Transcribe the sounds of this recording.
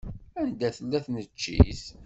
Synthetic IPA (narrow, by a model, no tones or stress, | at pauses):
ænd̪æθəlːæθnət͡ʃːḭs